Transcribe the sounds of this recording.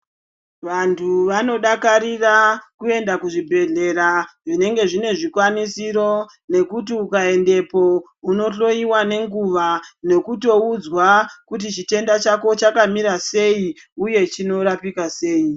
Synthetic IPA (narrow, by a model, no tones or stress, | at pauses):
ʋantʰuʋano̞ɗakaɾirakue̞ndakuʐibʱe̞ɮe̞ɾaʐine̞ŋɡe̞ʐine̞ʐikwanisiɾo̞ | ne̞kutiukae̞nde̞po̞ | uno̞ɬo̞iwane̞ŋɡuʋane̞kuto̞ud͡zwakutit͡ʃite̞ndat͡ʃako̞t͡ʃakamiɾase̞i | uje̞t͡ʃino̞ɾapikase̞ːi